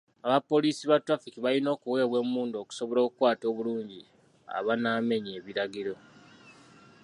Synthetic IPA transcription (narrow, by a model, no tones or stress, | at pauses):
aβapːo̞liːsiβatwafikiβalino̞ːkuwe̞ːβwe̞muːndo̞ːku̥so̞βo̞ɾo̞ːkukwaːto̞ːβuluːɲɟi | a̰βanaːme̞ɲeːβiɾaɡiɾo̞